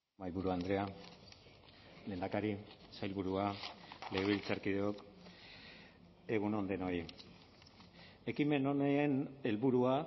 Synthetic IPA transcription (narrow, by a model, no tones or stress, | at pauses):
ajβuɾuand̪ɾe̞a | leːnd̪akaɾisajlβuɾuale̞ːβ̞ilt͡saɾkið̞eok | e̞ɣ̞uno̞nd̪e̞no̞i | e̞kime̞noneene̞lβuɾua